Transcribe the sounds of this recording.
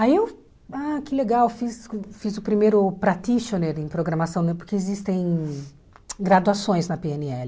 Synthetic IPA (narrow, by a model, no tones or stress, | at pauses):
aiew | akɪleɡawfisfizʊpɾimejɾʊpɾat̪iʃoneɾẽj̃pɾoɡɾɐmasɐ̃w̃nɛ̃pʊɾkeezist̪ẽj̃ | ɡɾad̪uasõj̃znɐpeenɪɛlɪ